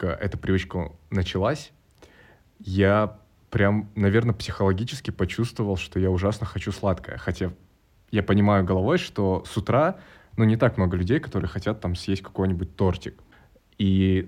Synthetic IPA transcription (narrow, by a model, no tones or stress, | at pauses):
ə̰ʔɛ̰t̪əpɾʲɪvɨt͡ɕkənət͡ɕɪlˠasʲ | ja | pɾʲamnɐvʲe̞rnəpsʲɪ̥xəlˠɐɡʲit͡ɕɪ̥skʲɪpɐt͡ɕust̪vəvəlˠʂt̪ojaʊʐasnəxɐt͡ɕuslˠat̪kəjə̰xɐtʲa | japənʲɪmajʊɡəlˠɐvo̞jʂt̪o̞sʊt̪ɾa | nunʲɪt̪akmno̞ɡəlʲʉdʲejkɐ̥t̪o̞ɾɨjəxɐtʲat̪ːamsʲjesʲt̚ʲkɐ̥ko̞jnʲɪbʊt̚ʲt̪o̞rtʲɪk | i